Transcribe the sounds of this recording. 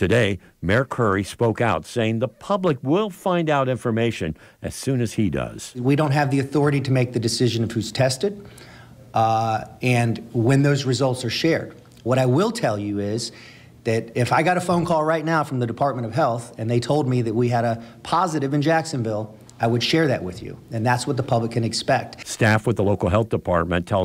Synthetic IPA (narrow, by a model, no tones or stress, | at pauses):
tʰɨdeɪ | mɛɹkʰɜ˞ispoʊkaʊtseɪɪ̃ŋðəpʰʌbləkwɪlˠfãɪ̃ndaʊɾɪ̃ɱfə˞meɪʃɨ̃n | ʔɨ̰z̥sʉ̃nɨz̥idʌ̰z̥wiɾõʊ̃nt̚ɦɨvðiɨθɔɹɨɾiɾɨmeɪk̚ðɨdɨsɪʒɨ̃nʌv̥hʉz̥tʰɛstɨd̚ | ɨ̃nwɨ̃nðoʊzɹɨzʌlˠtsə˞ʃɛɹd̚ | wʌɾaɪwɪlˠtʰɛlˠjɨɪz | ðɨɾɪfaɪɡɑɾəfõʊ̃nkʰɔlˠɹaɪtⁿnaʊfɹʌ̃mðɨdɨpʰɑɹt̚mɨ̃ɾ̃ʌv̥ɦɛlˠθɨ̃nðeɪtʰoʊlˠd̚miðɨt̚wiɨɾəpʰɑzɨɾɨvɨ̃nd͡ʒæksɨ̃nvɪlˠ | aɪwəd̥ʃɛɹðɨ̰ʔ̚wɪðjʉ̰ɨ̃nðætswʌt̪̚ðəpʰʌbləkʰːɨ̃nɨkspɛk̚t̚stæfwəðəloʊkl̩ˠɦɛlˠθd̥əpʰɑ̰ɹt̚mɨ̰̃ntʰɛ